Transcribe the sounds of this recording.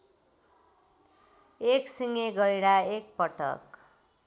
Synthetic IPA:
eksiŋeɡʌiɽaek̚pʌʈʌ̰k

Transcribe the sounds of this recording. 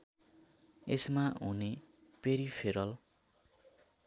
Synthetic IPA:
esmaɦune | peɾipʰeɾʌl

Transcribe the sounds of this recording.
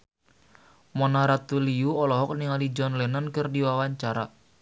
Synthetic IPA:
mɔnaɾat̪ulijuɔlɔɦɔk̚niŋalid͡ʒɔnlɛnankərdiwawaɲt͡ʃaɾa

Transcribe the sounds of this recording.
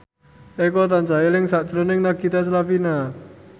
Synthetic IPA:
ekɔt̪aɲt͡ʃailɪŋsaʔt͡ʃɾʊnɪŋnaɡit̪as̬lafina

